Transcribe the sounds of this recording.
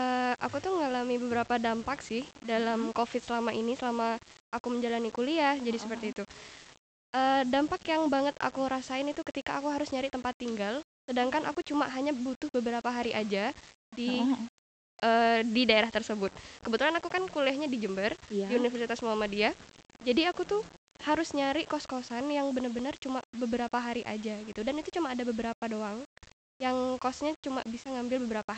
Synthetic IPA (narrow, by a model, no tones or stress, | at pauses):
ʔəːʔakut̪ʊhməŋalamibəbəɾapadampaksɪhdalamkofɪt̪̚səlamaʔinisəlamaʔakuməɲd͡ʒalanikuliad͡ʒadisəpərt̪iːt̪u | ʔəːdampakjaŋbaŋət̪a̰kuŋəɾasaɪnit̪ukət̪ikaːkuɦaɾʊsɲaɾɪt̪əmpat̪ːiŋɡalsədaŋkanʔa̰kut͡ʃumaɦaɲabut̪ʊhbəbəɾapaɦaɾiʔad͡ʒa | di | ʔəːdidaeɾaht̪ərsəbʊt̪̚kəbət̪ulanakukankulɛhɲadid͡ʒəmbərdiunifərsit̪asmuamadiad͡ʒadiakut̪u | haɾʊsɲaɾɪʔkɔskosanjaŋbənərbənərt͡ʃumabəbəɾapaɦaɾiʔa̰d͡ʒaɡit̪udanit̪ut͡ʃumaːdabəbəɾapadoaŋ | jaŋkosɲat͡ʃuma̰bisaŋambɪlbəbəɾapa